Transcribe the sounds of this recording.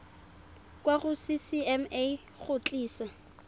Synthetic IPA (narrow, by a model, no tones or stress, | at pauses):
kʼwaχʊsisiɛme | χʊt͡ɬʼiːsa